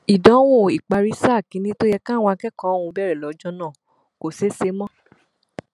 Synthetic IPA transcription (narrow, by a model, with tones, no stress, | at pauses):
i˨dɔ̃˨˦w̃ũ˦˨i˨k͡pa˧ɾi˦sa˦˨kĩ˨˧˦nĩ˦to˦jɛ˧kã˦˨w̃ɔ̃˧a˧kɛ˦kɔ̃˨˦˨ũ˧bɛ˦˨ɾɛ˨lɔ˨˦d͡ʒɔ̃˦nãː˦˨ | ko˨se˨˦se˧˦mɔ̃˦